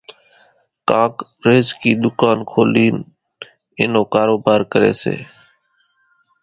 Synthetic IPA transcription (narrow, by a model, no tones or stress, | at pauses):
kãːkɾeːzkiːɗ̪ʊkaːnkʰoːliːn | ɪnoːkaːɾoːbaːɾkəɾḛːsḛː